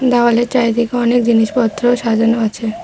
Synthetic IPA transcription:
d̪awaleɾt͡ɕajt̪ʰekeɔnek̚d͡ʑiniʃpɔt̪ːɾoʃad͡ʑanoat͡ɕʰe

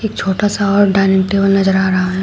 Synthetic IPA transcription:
eːk̚t͡ʃʰoːʈasaɔːɾɖaːɪnekʈebəlnɐzəɾaːɾɐɦaɦɛ

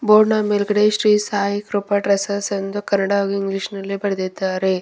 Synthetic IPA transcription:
boːɾnamelɡɐɽeʃɾiːsaːjikɾupɐʈɾɐsɐsɐnd̪ukɐnːɐɽaoɡiŋɡliʂnɐlːibɐɾɐd̪id̪ːaːɾe

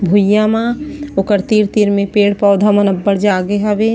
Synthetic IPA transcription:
bʱujamãːʊkəɾt̪iːɾt̪iːɾmẽpeːɽpɔːd̪ʱamɐnəbːəɾd͡ʒaːɡeɦaʋe

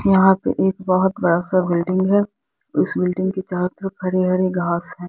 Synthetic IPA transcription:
jɐɦãpḛʔeːkbɐɦʊt̪bɐɽasabɪlɖɪ̃ŋɡɦɛ | ɪsbɪlɖɪ̃ŋɡket͡ʃaːɾt̪ɾpʰɐɾeɦɐɾeɡaːsɦɛ̃ː

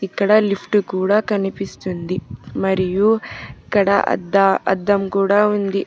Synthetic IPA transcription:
ikːɐɽɐlipʰʈukuːɽɐkɐnipist̪und̪imɐɾijukɐɽɐ̰ʔɐ̰d̪ːɐɐ̰d̪ːɐmkuːɽaond̪i

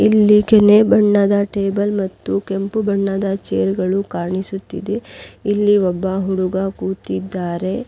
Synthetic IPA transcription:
ilːikenebɐɳːɐd̪aʈeːbɐlmɐt̪ːukempubɐɳːɐd̪ɐt͡ʃeːɾɡɐɭukaːɾɳisut̪ːḭd̪eilːiɔbːɐɦuɽuɡɐkuːt̪id̪ːaːɾe̞

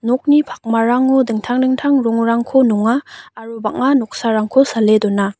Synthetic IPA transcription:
nɔk̚nipʰak̚maɾaŋɔdɯŋtʰaŋdɯŋtʰaŋɾɔŋɾaŋkʰonɔŋaːɾubaŋanɔk̚saɾaŋkʰosaledɔna

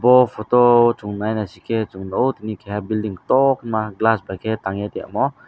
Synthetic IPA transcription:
bɔpʰɔtɔt͡ʃuŋnajnasikʰet͡ʃuŋnowtinikʰejabildiŋtɔknmaɡlasbajkʰetaŋatia̰mɔ

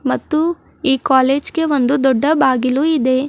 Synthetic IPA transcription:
mɐt̪ːu | iːkaːleːd͡ʒkeʋond̪ud̪ɔɖːɐbaːɡiluid̪eː

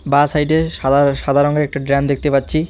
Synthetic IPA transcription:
basajʈeaʃad̪ʱaɾoŋeɾɛk̚ʈaɖɾɛnd̪ek̚t̪epatːɕʰi

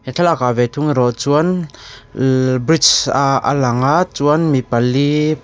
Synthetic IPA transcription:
hɛtʰalakavɛt̪ʰuŋiɾɔt͡suən | bɾit͡ʃaʔa̰laŋaʔt͡suanmipalːi

